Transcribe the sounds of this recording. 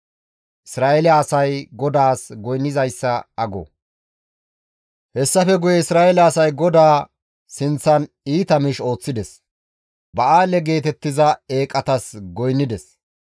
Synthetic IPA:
ʔɪsɾaːʔɛlɪɐːsɐjɡɔd̪aːsɡɔjnːɪzɐjsːɐɐɡɔ̰ | hɛsːɐfɛɡʊjɛɪsɾaːʔɛlɐːsɐjɡɔd̪aː | sɪnt͡sːɐn | iːt̪ɐmɪʃo̞ːt͡sːɪd̪ɛs | bɐʔaːlɛɡe̞ːt̪̬ɛt̪ːɪzɐe̞ːkʼɐt̪ɐsɡɔjnːɪd̪ɛs

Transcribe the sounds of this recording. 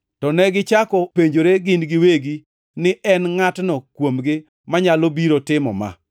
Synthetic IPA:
tɔnɛɡɪt͡ʃakɔpeɲd͡ʒoɾeɡɪnɡɪweɡi | nɪʔɛnŋatnɔkwomɡɪ | maɲalobiɾotɪmɔ̰ma̰

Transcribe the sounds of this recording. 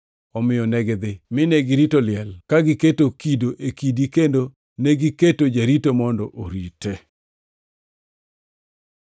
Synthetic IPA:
ɔmɪjɔnɛɡɛd̪ɪmɪnɛɡɪɾitolɪɛlkaɡɪketokidoʔekidikendo | neɡiketod͡ʒaɾitomɔndɔʔoɾite

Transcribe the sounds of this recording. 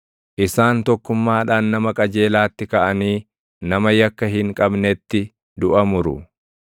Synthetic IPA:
ʔɪsaːnt̪ɔkːʊmːaːᶑaːnːɐmɐkʼɐd͡ʒe̞ːlaːt̪ːɪkɐʔɐniː | nɐmɐjɐkːɐɦɪŋkʼɐbnɛt̪ːɪ | d̪ʊʔɐmʊɾʊ̰

